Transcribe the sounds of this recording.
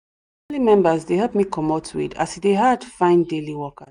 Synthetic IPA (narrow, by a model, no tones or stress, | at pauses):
limɛ̃mbəzdeɦɛlp̚mikʰɔmotʰwḭda̰sifdeɦadfãɪ̃ndeliwɔkə